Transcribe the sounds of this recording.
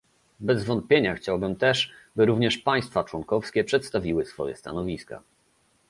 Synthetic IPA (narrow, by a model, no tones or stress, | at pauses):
bɛzvɔnt̪̚pʲjeɲaxt͡ɕawbɘmt̪ɛʂbɘɾuvɲɛʂpaj̃st̪fat͡ʂwɔnkɔfskʲɛpʂɛt̪st̪avʲiwɘsfɔ̰jɛ̰st̪a̰nɔvʲiska̰